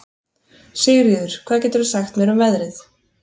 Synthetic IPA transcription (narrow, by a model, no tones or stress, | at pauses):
seːjʏɾjiːðʏɾ̥kʰv̥aːðcɛːt̪ɾʏsaxt̪mjɛɾʏmvɛðɾɪθ